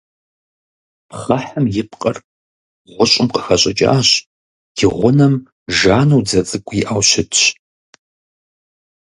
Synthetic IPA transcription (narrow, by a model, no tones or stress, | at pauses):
pχɐħamjɪpqʼɐr | ʁʷʊɕʷʼɪmqə̥xɐɕʼɐd͡ʒʼa̰ːɕ | d̥iʁʷʊnɐm | ʒaːnuwd͡zɐt͡sʼɨkʷʰʼiʔawʃɪtʰɕ